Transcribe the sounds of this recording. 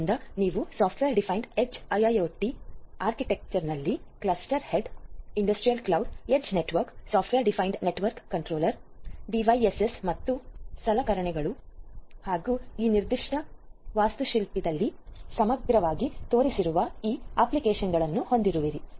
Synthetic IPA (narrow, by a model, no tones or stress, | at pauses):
nd̪ɐniːʋusaːpʰʈʰʋeːɾɖipʰɐjɳɖed͡ʒɐjɐjoːʈːiaːɾkiʈe̞k̚t͡ʃɐɾnɐlːiklɐsʈɐɾhe̞ɖiɳɖɐsʈɾijɐlklɐwɖed͡ʒne̞ʈʋɐɾksaːpʰʈʋeːɾɖipʰɐjɳɖne̞ʈʋɐɾkːɐɳʈɾoːlɐɾɖiʋɐjesesmɐt̪ːusɐlɐkɐɾɐɳɛɡɐɭuhaːɡuiːniɾd̪iʂʈɐʋaːst̪uʃilpid̪ɐlːisɐmɐɡɾɐʋaːɡit̪o̞ːɾisiɾuʋɐiːaːplikeːʃɐnɡɐɭɐnːuho̞nd̪iɾuʋiɾi